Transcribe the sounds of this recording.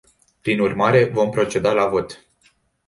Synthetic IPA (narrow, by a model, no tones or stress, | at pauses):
pɾinurmaɾe̞vo̞mpɾo̞t͡ʃe̞d̪alavo̞t̪